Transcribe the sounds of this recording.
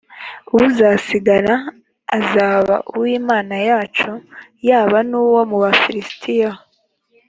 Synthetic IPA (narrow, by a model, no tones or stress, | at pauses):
uwuzasiɡaɾaː | zaːβa̰ʔuwiːmaːnajaːt͡ʃojaːβanuːwomuβafiɾistʰija